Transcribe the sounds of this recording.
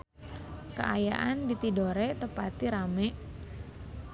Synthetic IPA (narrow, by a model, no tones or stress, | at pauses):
kə̰ʔaja̰ʔandit̪idoɾɛt̪əpat̪iɾamɛʔ